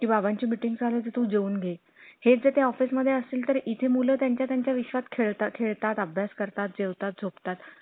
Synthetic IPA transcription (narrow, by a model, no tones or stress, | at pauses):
kiːbabãɲt͡ɕiːmiʈiŋɡd͡zʱaləd͡z̪et̪ũːd͡ʑeuːnɡʱe | het͡sd͡zet̪eɔfisməd̪ʱːjeəsiːlt̪əɾit̪ʰemulət̪jaɲt͡ɕjat̪jaɲt͡ɕjaʋiɕʋat̪kʰeɭt̪akʰeɭt̪at̪əbʱjaskəɾt̪at̪̚d͡ʑewt̪at̪̚d͡zʱopt̪at̪